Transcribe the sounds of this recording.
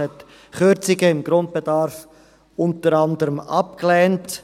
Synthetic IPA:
ɛt | χʏɾt͡sɪɡəɪmɡɾʊnt̚b̥edɑɾf | ʊntəɾɑndəɾəmɑ̰pklɛːnt

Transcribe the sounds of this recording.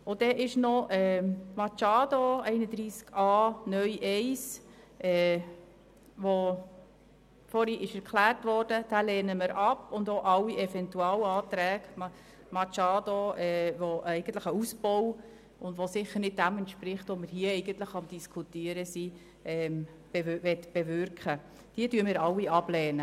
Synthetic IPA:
ʊd̥ɛʔɪʃnoʔɛːmɑt͡ʃɑːdoɛɪnəd̪ɾiːskɑːnœʏʔɛɪs | ʔɛː | ʋo | fɔɾhiʔɪʃɛɾkʰlæːrtʋɔɾd̥əd̥ælɛːnəməɾʔɑpʊndoʔɑlːiʔɛfɛntuɑlɑːtɾɛːk | mɑt͡ʃɑːdoɛːʋoʔɛɪɡ̥ən̩tləχəusb̥ɔw | ʊndʋosɪχəɾnɪt̚dæmɛntʃpɾɪχtoməɾɦiəɛɪɡənt̪ləχɑmd̥iskʰutiəɾəsi | ʔɛːm | b̥eʋɛt̪b̥ɛʋʏɾkχə | d̥iədyəmɪːɾɑlːiɑb̥lɛːnə

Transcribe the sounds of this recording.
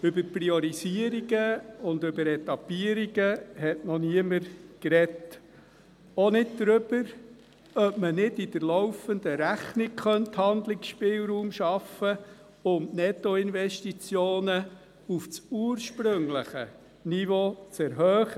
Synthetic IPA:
ʏbəɾpɾiɔɾisiəɾiɡəʊnd̪ʏbəɾɛtɑpiəɾiɡəɦɛtnɔniəməɾkɾɛt | ɔnɪddɾʏb̥əɾ | œpmənɪdidəɾlɔwfənd̪əɾæχnɪkχœnthɑnd̪lɪksʃpɪːlˠɾuːmʃɑfə | ʊmnɛt̪ɔɪnvɛʃtit͡sjoːnə | uft͡suːəɾʃpɾʏŋləχə̰ | nivot͡sɛɾɦœːχə

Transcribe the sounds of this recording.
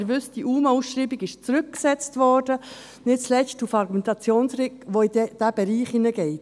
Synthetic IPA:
ɾʋʏsdiʔuːməusʃɾiːbiɡɪʃt͡sɾʏk̚ksɛt͡stvɔɾdə | nɪt͡slɛʃtufɑɾɡumɛntɑt͡sjoːnsrɪkʋoid̥æb̥ɛɾiːχinəɡɛɪt

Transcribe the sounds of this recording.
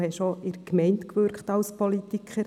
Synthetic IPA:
hɛʃoʔɪɾkmɛɪntkʋøɾkχtɑlspɔlitikʰχəɾ

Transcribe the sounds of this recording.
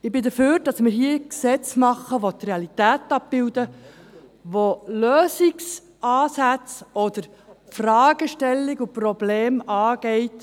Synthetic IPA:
ɪbɪd̪əføːɾd̥ɑsmɪɾɦiːəksɛt͡smɑχːəʋot̪reɑlitæːtɑp̚b̥ɪwdə | ʋoløːsiks | ɑːsæt͡sɔd̪̥əɾ | frɑːɡəʃtɛlːiɡuprɔblɛːmɑːɡ̥ɛɪt

